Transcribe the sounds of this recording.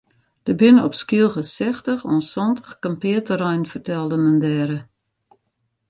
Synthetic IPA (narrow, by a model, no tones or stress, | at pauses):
d̥əbɪnəɔpskiəlˠxəsɛxtəxɔnsɔntəxkampɪːtərɛjnfərtɛlˠdəməndɛːɾə